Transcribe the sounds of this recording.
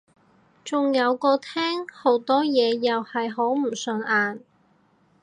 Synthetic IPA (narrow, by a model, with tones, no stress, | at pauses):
t͡sʊ˨ŋjɐ˨˧wkɔː˧t̪ʰɛː˥ŋho˨˥wt̪ɔː˥jɛː˨˧jɐ˨whɐ˨jɦo˨˥wm̩˨˩sɵ˨˧nʔaː˨n